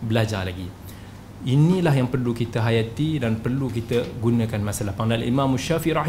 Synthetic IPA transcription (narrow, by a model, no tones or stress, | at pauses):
bəlad͡ʒalaɡi | inilaɦjaŋpərlukit̪əɦajat̪idanpərlukit̪əɡunə̃kanmãsalahpaŋdana̰lḭmãmaʃafiɾa